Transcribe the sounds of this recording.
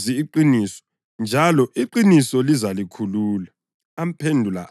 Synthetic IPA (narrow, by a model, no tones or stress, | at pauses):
iːǃinisɔ̥ | nd͡ʒʱalɔʔiǃinisɔlizalikʰuluːlaː | m̩pʰendʱula̰